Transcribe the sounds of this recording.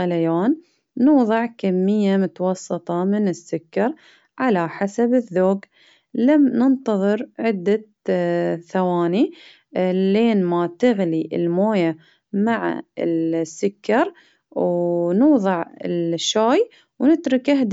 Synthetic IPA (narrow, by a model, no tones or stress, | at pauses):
alajaːnː | uːðˤɨʕkamːɪjːamʊt̪ɑwɑsːɨt̪ˤɑmɪnɪsːʊkːɑɾˤ | ʕalaħasabɪðːoːɡ | lamnɪnt̪ɑðˤɨɾʕɪd̪ːa | θawaːni | leːnmat̪ɪɣliʔɪ̰lmoːja | maʕa̰ɪsːʊkːɑɾˤ | wnuːðˤɨʕɪ̰lʃːaːj | wnɪt̪ɾʊkʔaɦd̪